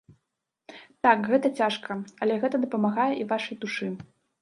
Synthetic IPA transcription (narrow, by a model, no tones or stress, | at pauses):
t̪akɣɛt̪ɐt͡sʲaʂkʰɐɐlʲɛɣɛt̪ɐd̪ɐpɐmaɣajɛʔivaʂɐjd̪uʂɨ